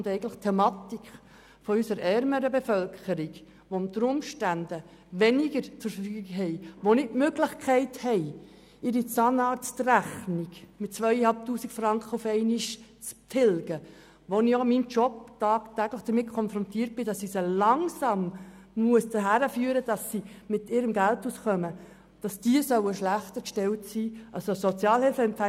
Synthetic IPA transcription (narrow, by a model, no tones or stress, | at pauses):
ndɛɪɡən̩tləχtʰɛmɑtikχ | fɔysəɾɛɾməɾəbefœlkχəɾiɡ | ʋomt̪əɾʊmʃtænd̥ə | ʋɛnɪɡəɾt͡səɾffyːɡikɦɛɪʋonɪtmøɡlɪχkʰɛɪthɛɪ | ɪɾit͡sɑːnɑːɾst̪ræχniɡmɪt̚ːt͡sʋœʏjɛhɑlp̚tuːsikfɾɑŋkχəufɛɪniʃt͡stʰɪlɡ̥ə | ʋoniomimt͡ʃɔptɑːktæɡləχd̥əɾmɪt̚kʰɔnfɾɔntiːərt̚b̥ɪdɑsisolɑŋsɑmmuəsd̪əɦæɾəfyːəɾəd̥ɑsːimɪtɪɾəmɡæltusχœmə | d̥ɑsd̥iəsœwəʃlæχt̪əɾkʃtɛltsiːʔɑsosɔt͡sjɑːlhɪlfəɛmpfæ